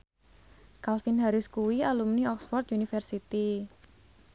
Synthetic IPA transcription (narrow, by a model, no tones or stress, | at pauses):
kalfinɦaɾɪskuwialumniɔksfɔrt̪̚unifɛrsit̪i